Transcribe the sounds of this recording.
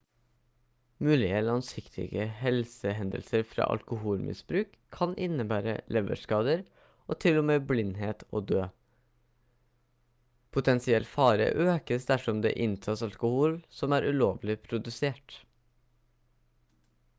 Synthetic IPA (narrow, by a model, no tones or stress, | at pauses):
mʉːlɪəlɑŋsɪkt̪ʰɪ̰ɡəhɛlsəɦɛnd̪ə̰lsəɾfɾɑ̰ːʔɑ̰lkʊhuːlmʔɪ̰sbɾʉːkʰːɑnʔɪnəbæːɾə̰lɛʋə̰ʂkɑːd̪əɾ | ʔoːt̪ʰɪlːʊmeːblɪnɦeːt̪ʰoːd̪øː | pʰʊt̪ʰɛnsɪɛlfɑːɾə̰ʔøːkəsd̪æʂɔmd̪ḛːʔɪnt̪ʰɑːsɑlkʊhuːlsɔmæːɾʔʉːloːʋlɪpʰɾʊd̪ʉseːʈ